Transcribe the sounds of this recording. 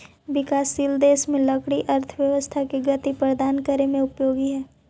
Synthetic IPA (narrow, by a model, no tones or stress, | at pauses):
ʋɪkaːsːild̪eːʃmẽlɐkɽiʔɐɾt̪ʰʋjəʋəst̪ʰakiɡɐt̪ipɾɾəd̪aːnkəɾemẽʊpjoːɡiɦɛː